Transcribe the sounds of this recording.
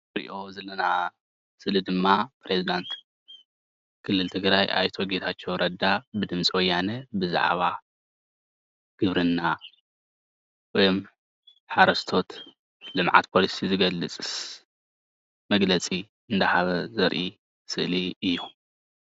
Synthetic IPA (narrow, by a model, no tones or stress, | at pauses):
ɾḭʔo̞zɐlɐna | sɨlɨd̪ɨmːapɾe̞zid̪ant̪ | kʰɨlːɨlt̪ʰɨɡɾajʔa̰jt̪ʰoɡet̪ʰat͡ʃːo̞ɾʔɐd̪ːabɨd̪ɨmt͡sʼiwɔjːanɐbɨza̰ʕ̰βa | ɡ̥ɨβɾɨnːa | wɔjm | ħaɾɐst̪ʰo̞t̪ | lɨmʕa̰t̪pʰo̞lisizɨɡɐlːɨt͡sʼɨs | mɐɡlɐt͡sʼi | ɨnd̪ahaβɐzɐɾʔi | sɨʔliɨjːu